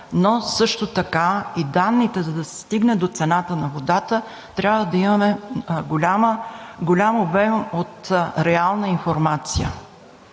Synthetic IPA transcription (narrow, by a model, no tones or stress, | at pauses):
nosɤʃt̪ot̪ɐkaid̪anːit̪ɛzɐd̪ɐsɛ̥st̪iɡnɛd̪ot̪sɛnat̪ənɐvod̪at̪ə | t̪ɾʲabvəd̪ɐimɐmɛɡolʲaməɡolʲamobɛmot̪ɾɛalˠnəinfoɾmat̪sijə̰